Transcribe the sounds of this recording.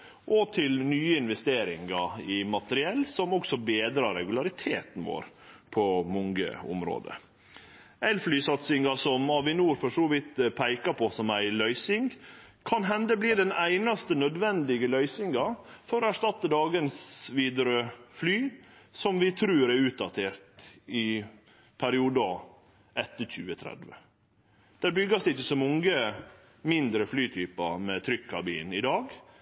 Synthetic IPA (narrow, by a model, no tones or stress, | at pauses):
ʔɔt̪ʰɪlnyːəɪnʋɛst̪eːɾɪ̰ŋɑɪmɑt̪əɾɪɛlːsɔmɔksɔbeːd̪ɾɑɾɛɡʉlɑɾɪt̪ʰeːt̪n̩ʋo̰ːɾ | pʰɔmɔŋɡə̰ʊ̰mɾo̰ːd̪ə̰ | ɛlflyːsɑt̪sɪŋɑsɔmɑʋɪnuːɾfɔʂoːʋɪt̪pʰæɪkɑpʰɔsɔmæɪlœʏsɪŋ | kʰɑnɦɛnd̪əbliːd̪ɛnæɪnɑst̪ənœd̪ʋɛnd̪ɪɡəlœʏsɪŋɡɑfɔɾɔæʂt̪ɑt̪ːəd̪ɑːɡənsʋiːd̪əɾəflyːsɔmʋɪt̪ʰɾʉːɾɛɾʉːt̪̚d̪ɑt̪ʰeːɾt̪ɪ | pʰæɾɪuːd̪ə | ʔɛt̪ːəçʉːət̪ʰɾɛ̰d̪ʋə̰ | d̪̥æːɾbʏɡɑsd̪ɛɪçːəsɔmɔŋə | mɪnd̪ɾəflyːt̪ʰyːpə̰mɛt̪ʰɾʏkʰːɑ̰bḭːnɪd̪ɑːɡ